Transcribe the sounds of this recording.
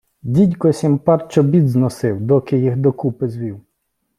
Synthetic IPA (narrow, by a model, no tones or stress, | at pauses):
dʲidʲkɔsʲimpɑrt͡ʃɔbʲid̪znɔsɪwd̪ɔkɪjixd̪ɔkupɪzʋʲiw